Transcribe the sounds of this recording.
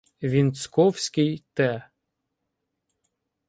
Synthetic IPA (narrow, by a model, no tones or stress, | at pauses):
ʋʲint̪skɔwsʲkɪjt̪ɛ